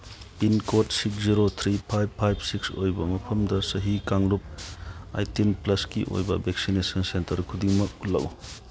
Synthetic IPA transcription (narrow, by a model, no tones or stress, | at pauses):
pinkotsiksziɾot̪ʰɾipʰajbpʰajb̚sikso̰jbɐmɐpʰɐmdɐsɐɦikaŋlup̚a̰jtinplɐskḭʔo̰jbɐbʱeksinesɐnsentɐɾkʰudiŋmɐk̚lɐ̰w